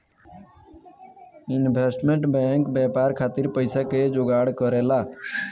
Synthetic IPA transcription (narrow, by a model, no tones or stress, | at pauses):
ɪnbʱeːsʈmẽɳʈbɛ̃ːŋkbɛːpaːɾkʰaːt̪ɪɾpəɪsaked͡ʒoːɡaːɽkəɾeːlaː